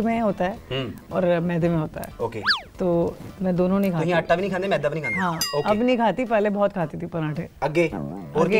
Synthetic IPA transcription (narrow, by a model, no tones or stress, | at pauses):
mẽɦoːt̪aɦɛːɦɔ̰ːɾmɛːd̪emẽɦoːt̪a̰ɦɛ̰ːoːket̪oːmɛ̃d̪oːnõnɐĩkʰaːɦĩɐʈːabiñĩkʰanemɛːd̪abnikanɦãːoːkɐbnɐĩkʰaːt̪ipɛːlebɔːt̪kʰaːt̪it̪ʰipɐnãːʈʰeːɐɡeːoɐɾɡe